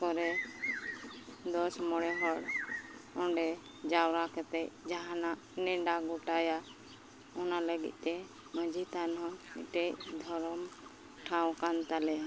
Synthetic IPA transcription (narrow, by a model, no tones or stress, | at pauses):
kɔɾɛ | d̪ɔsmɔɽɛɦɔɽ | ɔɳɖɛ | d͡ʒawɾakɛt̪ɛʔd͡ʒaɦãnaʔnɛɖaɡɔʈaja | ɔnaləɡḭc̪̚ˀt̪ɛ | mə̃d͡ʒʱit̪anɦɔnɛ̰ʈɛʔd̪ʱɔɾɔm | ʈʰãw̃kant̪alɛa